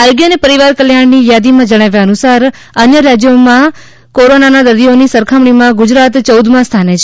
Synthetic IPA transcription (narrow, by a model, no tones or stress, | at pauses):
əɾɡjənepəɾiʋaɾkəljaɳnijad̪imãd͡ʒəɽ̃aʋjaənusaɾ | ənjəɾad͡ʒjomã | koɾonanad̪əɾd̪ionisəɾkʰamɽimãɡʊd͡ʒɾat̪t͡ʃəwd̪ʱmãst̪ʰanet͡ʃʰe